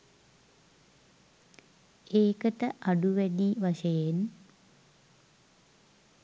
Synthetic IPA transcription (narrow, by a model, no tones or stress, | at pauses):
eːkət̪əʔaɖuʋɛdiʋaʃɐjen